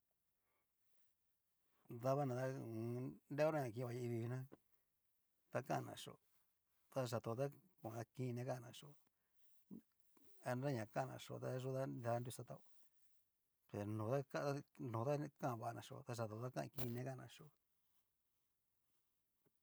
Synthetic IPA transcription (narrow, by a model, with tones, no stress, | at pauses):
d̪a˦βa˦nã˧t̪a˦˧ | nde˦o˦nã˦ɲã˨k̬ĩ˧˨˧βa˧ji˧i˧βi˧βi˧nã˦ | t̪a˦kã̰˦ʔnã̰˨ʂo̰˨ | t̪a˧ʒa˨t̪o˧t̪a˦ku˧˨ã˨a˦kĩ˦˧nẽ˦ka˦˨nã˧ʂo˨ | a˧nɾa˦ɲã˨kã˦˧nã̰˧˨ʂo̰˧˨t̪a˦ʒu˦t̪a˦da˧˦ndu˧sa˧t̪a˦o˧ | pe˨nõː˨˦t̪a˦ka˦a˦nõ˨t̪a˦kã˦˧βa˧ʔa˧nã̰˨ʂo̰˧˨t̪a˧ʒa˨t̪o˨˧˨t̪a˦kã̰˦ʔkĩ˦˧nẽ˧˦ka˦˨˧nã̰˧˨ʂo˨